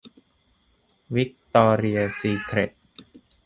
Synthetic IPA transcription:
wi˦˥k̚t̪ɔː˧ɾi˧ɐsiː˧kʰɾe˨˩t̪̚

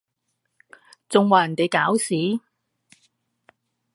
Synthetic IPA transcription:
t͡sʊ˨ŋwaː˨˩˨nt̪e˨˧jkaː˨˥wsiː˨˥

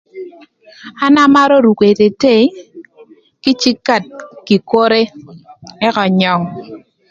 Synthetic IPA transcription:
a˦na˦ma˦ɾo˦ɾu˨kwe˨te˨te˦˨˦ | kɪ˦t͡ʃi˦kːa˦˨t̚ki˨ko˦ɾe˦ | ɛ˦kɔ˨ɲɔ˨ŋ

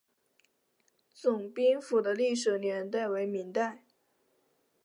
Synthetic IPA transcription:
t͡sʊ˨˩ŋpi˥ŋfu˨˩d̪ə˦li˥˩ʂɻ̩˨˩njɛ˧˥nt̪̬a˥˩ɪwe˧˥ɪmi˧˥ŋt̪a˥˩ɪ

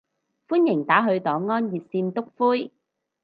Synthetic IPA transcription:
fuː˥njɪ˨˩ŋt̪aː˨˥ɦɵ˧ɥt̪ɔː˨˧ŋɔː˥njiː˨t̚siː˧nt̪ʊ˥k̚fuː˥j

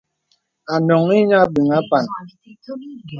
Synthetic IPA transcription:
a˨nɔ˨ŋi˦ɲa˦bi˨ŋa˦pa˨n

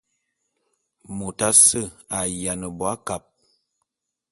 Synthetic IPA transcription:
mo˨ta˦sə˦˨a˨ja˨nə˨bɔ˨a˦ka˨p̚

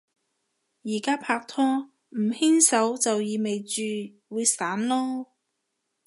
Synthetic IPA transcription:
jiː˨˩kaː˥pʰaː˧k̚t̪ʰɔː˥ | m̩˨˩hi˥nsɐ˨˥wt͡sɐ˨wjiː˨˧me˨jt͡ʃyː˨˧ | wuː˨˧jsaː˨˥nlɔː˥

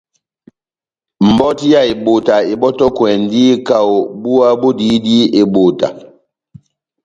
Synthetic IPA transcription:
m̩˨bɔ˦ti˦ja˦˨e˨ɓo˨ta˨e˨bɔ˦tɔ˦kwɛ˨ndi˦ka˦˨o˨bu˦a˦bo˦di˨˦di˦e˨ɓo˨ta̰˨

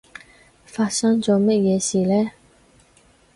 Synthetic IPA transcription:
fa˩˨ɕɑ˥ŋd͡ʑɔ˩˨me˥˨ʔjɛ˩˨ɕiː˩˨lɛː˨

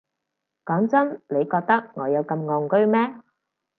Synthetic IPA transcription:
kɔː˨˥ŋt͡sɐ˥nle˨˧jkɔː˧k̚t̪ɐ˥k̚ŋɔː˨˧jɐ˨˧wkɐ˧mŋɔː˧ŋkɵ˥ɥmɛː˥

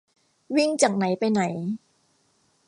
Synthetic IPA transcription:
wi˥˩ŋt͡ɕaː˨˩k̚na˩˦jpa˧jna˩˦j

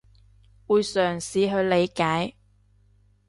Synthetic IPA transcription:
wuː˨˧jsœː˨˩ŋsiː˨˥ɦɵ˨˧ɥle˨˧jkaː˨˥j

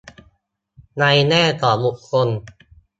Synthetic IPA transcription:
na˧jnɛː˥˩t̪ɔː˨˩mu˨˩kʰːo˧n

